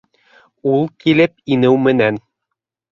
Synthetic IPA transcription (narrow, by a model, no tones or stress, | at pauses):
ulˠkilɘpinɘwmɘ̆næn